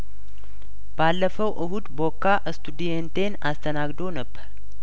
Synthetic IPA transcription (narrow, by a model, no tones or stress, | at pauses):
b̥alːəfəwʔɨhud̪bo̞kːaʔɨst̪ʰud̪ijent̪ʰenast̪ʰənaɡd̪o̞nəbːəɾ